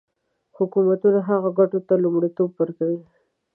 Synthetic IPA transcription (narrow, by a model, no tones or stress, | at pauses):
hʊkumat̪unaɦaɣaɡaʈot̪alʊmɽit̪obːəɾkawi